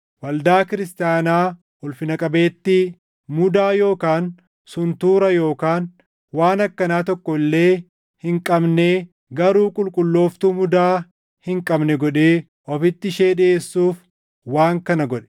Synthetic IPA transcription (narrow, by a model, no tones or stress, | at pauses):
wɐld̪aːkɪɾɪst̪ɪjaːnaː | ʊlfɪnɐkʼɐbe̞ːt̪ːɪ | mʊd̪aːjo̞ːkaːn | sʊnt̪uːɾɐjo̞ːkaːn | waːnɐkːɐnaːt̪ɔkːɔɪlːe̞ː | hɪŋkʼɐbne | ɡɐɾuːkʼʊlkʼʊlːo̞ːft̪uːmʊd̪aː | hɪŋkʼɐbnɛɡɔᶑeː | ʔɔfɪt̪ːɪʃe̞ːɗɪeːsːuːf | waːŋkɐnɐɡɔᶑɛ̥